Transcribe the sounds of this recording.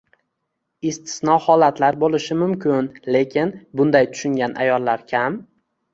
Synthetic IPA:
ɪst̪ʰɪ̥snɒhɒlat̪laɾbolɪʃɪmʊmkʲʰɪnle̞kʲʰɪnbʊnd̪ajt̪ʰʊ̥ʃʊŋɡʲanʔa̰jɒlˠːaɾkʲʰam

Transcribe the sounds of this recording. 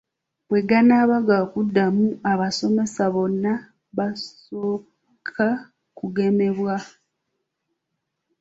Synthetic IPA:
βwe̞ɡanaːβaɡakudːamuaβaso̞me̞saβo̞nːa | βasoː | kʰa | kuɡe̞me̞βwa

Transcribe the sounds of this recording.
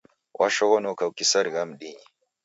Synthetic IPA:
wʔaʃoɣonokawkisɐɾɡamdiɲi

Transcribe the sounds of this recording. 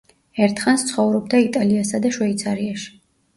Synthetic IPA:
ɛɾt̪ʰχanst̪sʰχɔvɾɔbd̪ait̪ʼaliasad̪aʃwɛit̪sʰaɾiaʃi̥

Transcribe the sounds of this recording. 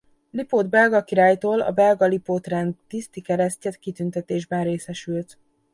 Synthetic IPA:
lipoːd̪bɛlɡɒkiɾaːjt̪oːlɒ̰bɛlɡɒlipoːt̪rɛnd̪t̪ist̪ikɛɾɛscɛt̪kit̪ynt̪ɛt̪eːʒbɛnreːsɛʃylt̪

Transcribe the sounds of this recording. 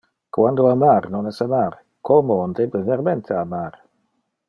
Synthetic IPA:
kʰwandoamaɾnɔnɛsamar | kʰɔmoɔndɛbəvɛɾmɛnt̪ʰeamaɾ

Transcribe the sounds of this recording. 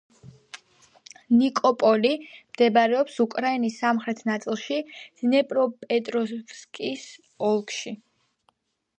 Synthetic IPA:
nikʼɔpʼɔlimd̪̥ɛbaɾɛɔpsukʼɾainisːamχɾɛt̪ʰnat̪sʼilˠʃiz̥nɛpʼɾɔpʼɛt̪ʼɾɔskʼis | ɔlˠkʰʼʃi

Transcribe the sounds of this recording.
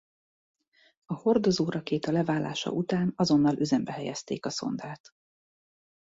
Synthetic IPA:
ɒho̞rd̪o̞zoːɾɒkeːt̪ɒlɛvaːlːa̰ːʃɒ̰ʔut̪aːnɒzo̞nːɒlʔøzɛmbɛɦɛjɛ̰st̪eːkɒso̞̰nd̪aːt̪

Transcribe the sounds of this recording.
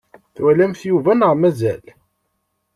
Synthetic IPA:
θwælæmθjuvænəʁmæzæl

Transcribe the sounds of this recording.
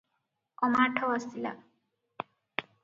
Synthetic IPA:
ɔmaːʈʰɔwasila̰

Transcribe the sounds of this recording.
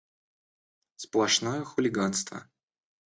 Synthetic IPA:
splˠɐʂnojəxʊlʲɪɡanst̪və̰

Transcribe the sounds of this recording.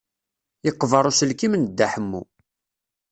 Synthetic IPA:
ɪqːvəɾˤusəlkimənd̪ːaħəmːṵ

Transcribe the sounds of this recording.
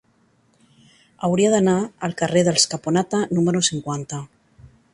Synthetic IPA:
awɾiaðanaːlkareðelskaponat̪anũmeɾosiŋkwant̪a

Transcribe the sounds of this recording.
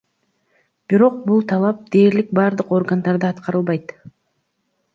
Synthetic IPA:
b̥iɾo̞q̚bulˠt̪ʰɑlˠɑp̚d̪e̞ːɾlik̚bɑɾd̪ɯqo̞rɡand̪ɑɾd̪ɯɑt̪qɑɾɯlˠβɑjt̪

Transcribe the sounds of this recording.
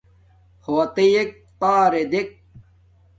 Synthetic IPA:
hoɐt̪ejek̚t̪aːɾed̪ek̚

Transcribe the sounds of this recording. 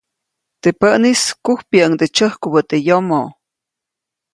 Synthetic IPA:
t̪epəʔniskuhpjaʔəŋd̪et͡ʃəhkubət̪ejomo

